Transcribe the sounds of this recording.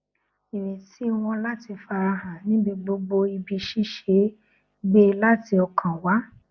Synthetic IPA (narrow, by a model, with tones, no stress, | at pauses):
i˨nĩ˨ti˨˦w̃ɔ̃˧la˦ti˧fa˧ɾa˧ɦã˨nĩ˦bi˧ɡ͡bo˧ɡ͡bo˧i˧bi˧ʃi˦ʃe˨˦ | be˦la˦ti˧ɔ˧kʰã˨wa˨˦